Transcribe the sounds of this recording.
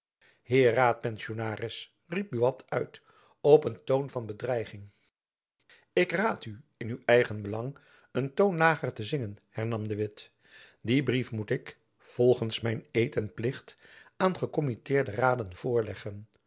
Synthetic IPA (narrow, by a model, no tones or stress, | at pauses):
hɪːraːt̚pɛnsonaːrɪs | rip̚byɑtʰœɥt | ɔpəntownvɑnbədrɛjχɪŋ | ɪkraːtyɪnywɛjχənbəlɑŋ | əntownlaːχəɹtəzɪŋənhɛɹnɑmdəʋɪt | dibrifmutɪk | v̥ɔlˠχənsmɛjnejtɛnplɪχtaːnχəkɔmitɪːɹdəraːdənv̥ʊːɹlɛχən